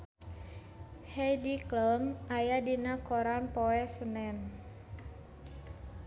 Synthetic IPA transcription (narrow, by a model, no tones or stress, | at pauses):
hɛjdikləmʔajadinakoɾanpɔɛsənɛn